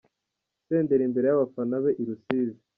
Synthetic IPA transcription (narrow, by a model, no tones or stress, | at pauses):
se̞ːnde̞ɾimbe̞ɾe̞jaβafanaβe̞ʔiɾusiːzi